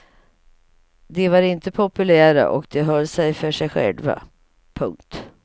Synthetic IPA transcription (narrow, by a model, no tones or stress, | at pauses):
d̪ɛvaɾɪnt̪əpʰʊpɵlæːɾa̰ʔɔkd̪ɛɦœlːsɛjfœʂɛjɧɛ̰lva̰ | pʰɵŋk̚t̪